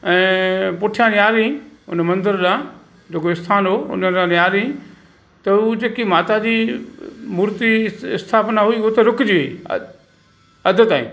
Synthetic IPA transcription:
ɛ̃ːpʊʈʰijãnjaːlĩʊ̰nəmɐ̃nd̪əɾɗãː | d͡ʑeːkoɪst̪ʰaːnoʊ̰nəɗãːnjaːlĩ | t̪ɐud͡ʑeːkimaːt̪ad͡ʑiː | muːɾt̪iɪst̪ʰaːpnaɦuiʊt̪eɾʊkd͡ʑiːɦi | ɐd̪ʱət̪aːḭ̃

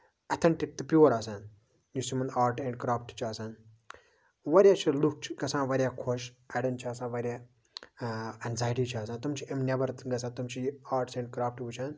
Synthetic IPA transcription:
ɐt̪ʰɐɳʈik̚t̪ɨpuʋɐɾaːsãːn | jusimɐnaːɾʈẽɳɖkɾaːpʰʈt͡ʃʰiaːsaːn | ʋɐɾʲjaːt͡ʃʰiluk̚t͡ʃʰi̥kɐsãːʋɐɾʲjaːkʰoʃ | ɐɽɐnt͡ʃʰiaːsãːʋɐɾʲja | ɐnzaːjʈit͡ʃʰiaːsãːt̪umt͡ʃʰiemnʲɐbɐɾt̪ɡɐsãːt̪umt͡ʃʰiaːɾʈsẽɳɖ̚kɾaːpʰʈʋut͡ʃʰaːn

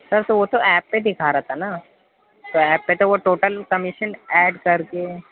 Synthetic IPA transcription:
sɐɾt̪oʋot̪oʔɛːpːed̪ɪkʰaɾaːt̪ʰana | t̪oɛːpːet̪oʋoʈoːʈəlkɐmɪʃənɛːɖkɐɾke

